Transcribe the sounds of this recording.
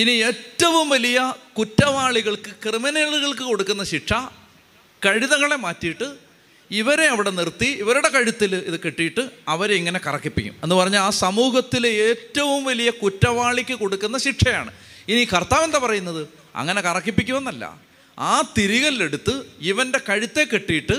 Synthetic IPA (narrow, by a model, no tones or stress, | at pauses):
inie̞ːtːɐʋumʋɐlijɐkutːɐʋaːɭiɣɐɭkɨkrɨmɐneːɭɣɐɭkɨko̞ɽukːunːɐɕiʈʂɐ | kɐɻiðɐŋːɐɭe̞maːtːijiʈːɨ | iʋɐɾe̞ɐʋiɽe̞nirt̪ːiiʋɐɾuɽe̞kɐɻit̪ːiliðɨkeʈːijiʈːɨɐʋɐɾiŋːɐne̞kɐrɐkːipːikʲːṵmenːɨpɐrɐɲːalaːsɐmuːɦɐt̪ːileːtːɐʋumʋɐlijɐkutːɐʋaːɭikʲːɨko̞ɽukːunːɐɕiʈʂɐja̰ːɳɨ̰iniːkɐrt̪aːʋe̞nd̪epɐrɐjunːɐðɨ | ɐ̰ŋːɐne̞kɐrɐkːipːikʲːumenːɐlːɐ̰ | aːt̪iɾiɣɐlile̞ɽut̪ːɨiʋɐnde̞kɐɻit̪ːe̞kːeʈːijiʈːɨ